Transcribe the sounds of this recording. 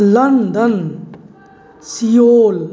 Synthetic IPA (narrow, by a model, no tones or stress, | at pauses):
lɐnd̪ən | sijoːl